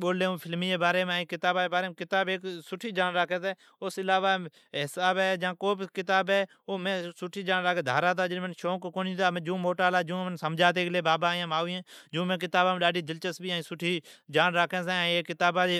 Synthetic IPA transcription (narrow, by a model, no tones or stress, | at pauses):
ɓoːleːõːpʰɪlmiːeːbaːɾeːmẽːĩːkɪt̪aːbãːeːbaːɾeːmːkɪt̪aːbeːksʊʈʰiːd͡ʒaːnɾaːkʰeːsẽː | ʊsɪlaːʋaː | ɦɪsaːbɛːd͡ʒãːkoːbkɪt̪aːbɦɛː | oːmẽːsʊʈʰːiːd͡ʒaːnɾaːkeːd̪ʱa̰ːɾaːt̪̬aːd͡ʒɪmənʃoːkkoːnit̪aːm̃ːd͡ʒũːmoːʈaːlaːd͡ʒũːmnsəmd͡ʒaːt̪̬eːkleːbaːbaːjãːmaːuẽːd͡ʒũːmẽːk̬ɪt̪aːbãːmɗaːɖiːd͡ʒɪlt͡ʃəsbiːaĩːsʊʈʰːiːd͡ʒaːnɾaːkʰẽːs̬eːeːkːɪt̪aːbaːe